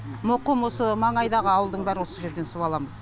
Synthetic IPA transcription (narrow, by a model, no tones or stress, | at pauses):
moqəmwo̞səmɑɴɑjd̪ɑʁəɑwəlˠd̪əɴbæɾɪwo̞səʒe̞ɾd̪e̞nsuwɑlˠɑməz̥